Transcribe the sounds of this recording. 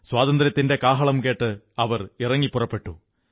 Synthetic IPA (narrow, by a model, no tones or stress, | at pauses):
swaːðɐnd̪ɐɾɐt̪ːinde̞kaːɦɐɭɐmke̞ːʈːɨ | ɐʋɐrirɐŋːipːʊrɐpːe̞ʈːu